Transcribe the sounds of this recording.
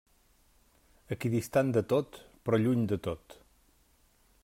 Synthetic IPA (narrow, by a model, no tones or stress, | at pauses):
əkiðist̪and̪ət̪ot̪pɾɔʎuɲd̪ət̪ot̪